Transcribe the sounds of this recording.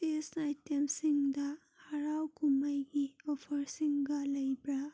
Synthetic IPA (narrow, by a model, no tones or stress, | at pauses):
esnajtɐmsiŋd̪a | hɐɾawkuməjɡiɔpʰɐɾsiŋɡalɐjbɾa